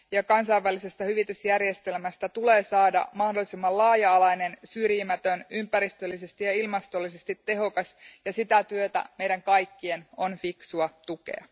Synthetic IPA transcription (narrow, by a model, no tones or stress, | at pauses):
jɑkɑnsɑjʋːælːise̞st̪æhyʋit̪ysjærje̞st̪e̞lmæst̪æt̪ule̞ːsɑːdɑ̰mɑhdo̞lːisimːɑllɑːjɑːlɑjne̞nsyrjimæt̪ønympæɾist̪ølːis̬e̞st̪ijɑilmɑst̪o̞lːisest̪it̪ːe̞ɦo̞kɑsjɑsit̪æt̪yøt̪æ̰mejdæŋkɑjkːie̞no̞nfiksuɑt̪uke̞̰ɑ̰